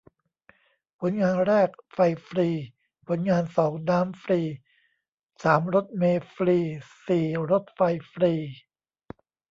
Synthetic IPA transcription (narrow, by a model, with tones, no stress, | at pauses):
pʰo˩˦nŋaː˧nɾɛː˥˩k̚fa˧jfɾiː˧ | pʰo˩˦nŋaː˧nsɔː˩˦ŋnaː˦˥mfɾiː˧ | saː˩˦mɾo˦˥t̪̚meː˧fɾiː˧siː˨˩ɾo˦˥t̪̚fa˧jfɾiː˧